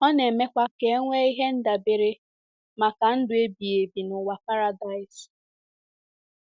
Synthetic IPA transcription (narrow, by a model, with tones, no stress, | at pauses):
ɔ˦ne˨me˦kʷa˦ke˦ŋʷe˦i˦ɦe˦n̩˦da˨be˨ɾɪ˦ | ma˨ka˨n̩˦dʊ˨e˦bi˨e˨bi˨nʊ˨wa˨pa˦ɾa˨da˨ɪ˨s